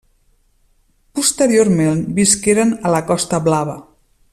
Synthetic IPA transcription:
pust̪əɾioɾmenbiskeɾənələkɔst̪əβlaβə

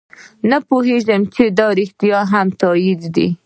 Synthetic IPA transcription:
napoɦeʒəmt͡ʃed̪ɑɾɪxt̪ijɑɦamt̪ɑjid̪d̪ḭ

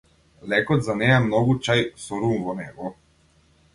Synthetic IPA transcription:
lɛkɔt̪zanejamnɔɡut͡ʃajsɔɾumvɔnɛɡɔ

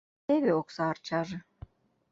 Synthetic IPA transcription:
eβeoksɑːrt͡ɕɑʒĕ

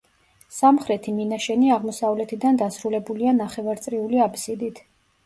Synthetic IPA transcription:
samχɾɛt̪ʰiminaʃɛniaʁmɔsavlɛt̪ʰid̪and̪asɾulɛbulianaχɛvaɾt̪sʼɾiuliapʰsid̪it̪ʰ

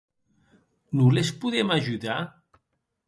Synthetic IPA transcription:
nulespuðɛmaʒuða

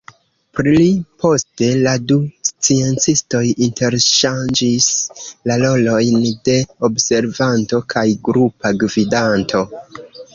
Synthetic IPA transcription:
pɾilipʰo̞ste̞ladust͡sie̞nt͡sisto̞jinte̞ɾʃand͡ʒislalo̞lo̞jnde̞obse̞ɾvanto̞kʰajɡɾupaɡvidantʰo̞

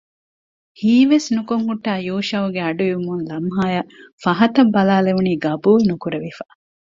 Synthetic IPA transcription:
hiːʋesnukoŋhuʈːaːjuːʃɐʋuɡeɐɖuiumunlɐmɦaːjɐfɐɦɐt̪ɐbːɐlaːleʋuniːɡɐbuːlnukuɾeʋifaː

